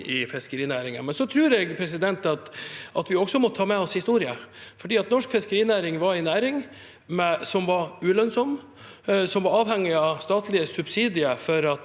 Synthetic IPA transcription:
ɪfɪskəɾiːnæːɾɪŋə̰nmɛnsɔt̪ʰɾʉːɾɛɡpʰɾɛsɪd̪ɛnt̪ɑt̪ʔɑt̪ʋɪɔksɔmɔt̪ʰːɑːmɛɔshɪst̪uːɾɪəfɔɖiːɑt̪nɔʂkfɪskəɾiːnæːɾɪŋʋɑɾɪnæːɾɪŋ | mɛsɔmʋɑɾʉːlœnsɔmː | sɔmʋɑɾɑːʋhɛŋːɪɑst̪ɑːt̪lɪəsʉbsiːd̪ɪəfɔɾɑt̪

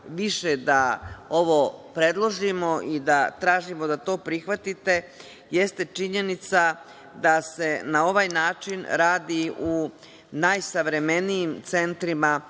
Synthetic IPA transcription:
ʋiʃe̞d̪ao̞ʋo̞pɾe̞d̪lˠo̞ʒimo̞ʔid̪at̪ɾaːʒimo̞d̪at̪o̞ːpɾixʋat̪it̪e̞ | je̞st̪e̞t͡ʂiɲe̞nit̪sa | d̪ase̞nao̞ʋajnaːt͡ʃinɾaːd̪iu | najsaʋɾe̞me̞nijimt̪se̞nt̪ɾima

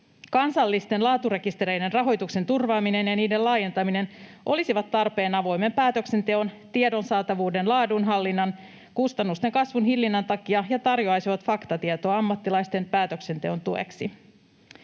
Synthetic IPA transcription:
kɑnsɑlːist̪e̞nlɑːt̪ure̞kist̪eɾejde̞nrɑɦo̞jt̪ukse̞nt̪urʋɑːmine̞njɑniːde̞lɑːje̞nt̪ɑmine̞nʔo̞lisiʋɑt̪ːɑrpe̞ːnɑʋo̞jme̞mpæːt̪ø̞kse̞nt̪e̞o̞nt̪iedo̞nsɑːt̪ɑʋuːde̞nlɑːdunɦɑlːinːɑn | kust̪ɑnːust̪e̞ŋkɑsʋunɦilːinːɑnt̪ɑkiɑjɑt̪ɑrjo̞ɑjsiʋɑt̪fɑkt̪ɑt̪iet̪o̞ːɑmːɑt̪ːilɑjst̪e̞npæːt̪ø̞kse̞nt̪e̞o̞nt̪ue̞̰ksi

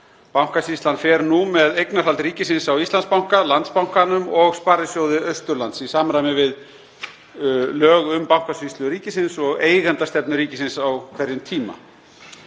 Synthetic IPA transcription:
pawŋ̥kasist̪lanfɛɾnumɛðejknar̥alt̪riːcɪsɪnsawist̪anspawŋ̥kalant̪spawŋ̥kanʏmɔɣspaːɾɪsjoːwðɪœɥst̪ʏɾlant̪sisaːmɾajmɪvɪð | lœːɣʏmpawŋ̥kasist̪lʏɾiːcɪsɪnsɔɣeːjɣant̪ast̪ɛpnʏɾiːcɪsɪnsawkʰvɛɾjʏmt̪ʰiːma̰

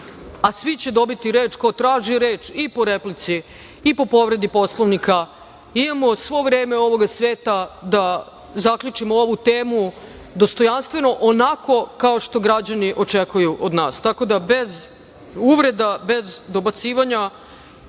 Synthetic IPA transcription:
asʋit͡ɕe̞d̪o̞bit̪iɾe̞ːt͡ʃkot̪ɾaːʒiɾe̞ːt͡ʃipo̞ɾeplit̪siː | po̞po̞ʋɾe̞d̪ipo̞slˠoʋnika | imamo̞sʋo̞ʋɾe̞ːme̞o̞ʋo̞ɡasʋe̞ːt̪ad̪a | zakʎut͡ʃimoo̞ʋut̪eːmu | d̪o̞st̪o̞janst̪ʋe̞no̞ʔonako̞kao̞ʃt̪o̞ɡɾad͡ʑaniʔo̞t͡ʃekujuʔo̞d̪naːst̪ako̞d̪abe̞z | uʋɾe̞d̪abe̞zd̪o̞bat̪siːʋaɲa

